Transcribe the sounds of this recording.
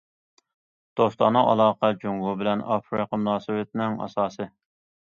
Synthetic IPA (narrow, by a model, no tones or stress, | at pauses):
d̪̥ost̪ɑnːɨʔɑ̰lˠɑːqɑd͡ʒuŋʁubɪlɛnɑfɾɨqəmunɑːsɨwɪt̪̚nɪŋɑ̰sɑːsɨ